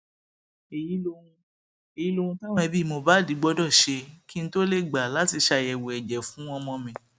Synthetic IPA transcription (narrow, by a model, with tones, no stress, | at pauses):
e˨ji˨˦o˦ũ˧ | e˨ji˨˦lo˧ũ˧ta˦w̃ɔ̃˦ɛ˧bi˦˨mo˧ba˦˨di˨˦ɡ͡bɔ˦dɔ˦˨ʃe˧ki˦n̩˦to˦le˦˨ɡ͡ba˨la˨˦ti˧˨ʃa˧jɛ˨wo˨ɛ˨d͡ʒɛ˨fũ˨˦w̃ɔ̃˧mɔ̃˧mĩ˨˧